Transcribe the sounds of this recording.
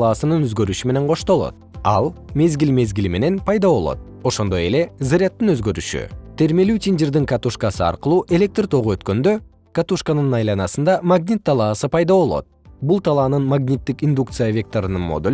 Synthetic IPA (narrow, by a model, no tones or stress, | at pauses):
ɑːsɯnɯnøzɡø̞ɾyʃyme̞ne̞ɴqʰo̞ʃt̪o̞lˠo̞̰t̪̚ɑlˠme̞zɡilʲme̞zɡilime̞ne̞npʰɑjd̪ɑβo̞̰lˠo̰t̪̚ | o̞ʃo̞nd̪o̞je̞le̞zɨɾʲat̪ːɯnø̞zɡø̞ɾyʃy̰t̪ʰe̞ɾme̞lyt̪ʲind͡ʒird̪iŋkat̪uʃkasɯɑ̰ɾqɯlˠuːʔe̞lʲe̞k̚t̪rt̪ʰo̞ʁuø̞t̪kø̞nd̪ø̞ | kat̪uʃkanɯnnɑjlˠɑnɑsɯnd̪ɑmaɡnʲit̪ʰːɑlˠɑːsɯpɑjd̪ɑβo̞lˠo̞̰t̪̚bulˠt̪ʰalˠɑːnɯnmaɡnʲit̪ːikind̪uk̚t̪sɨjavʲe̞k̚t̪o̞ɾɯnɯnmo̞̰d̪el